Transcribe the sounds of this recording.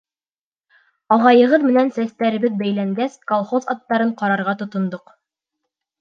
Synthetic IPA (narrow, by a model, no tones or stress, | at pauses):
ɑʁɑjɤ̆ʁɤðmɘ̆nænsæst̪æɾɘ̆βɘðbæjlæŋɡæskolˠχozɑt̪ːɑɾɤɴqɑɾɑɾʁɑt̪ŏt̪ŏnd̪oq